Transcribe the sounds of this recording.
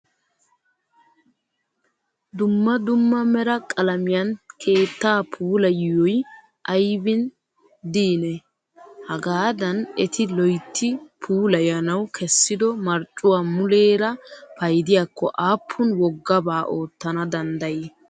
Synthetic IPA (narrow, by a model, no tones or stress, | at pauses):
d̪ʊmːɐd̪ʊmːɐmɛɾɐkʼɐlɐmɪjɐnkʰe̞ːt̪ːaːpʰuːlɐjjɔj | ʔɐjbɪn | d̪iːnɛ | hɐɡaːd̪ɐnɛt̪ɪlɔjt̪ʰːɪpʰuːlɐjɐnɐwkʰɛsːɪd̪ɔmɐɾt͡ʃʼːʊwaːmʊleːɾɐpɐjd̪ɪjaːkʰːɔ̰ʔaːpʰːʊnwɔɡːɐbaːʔoːt̪ːɐnɐd̪ɐnd̪ɐje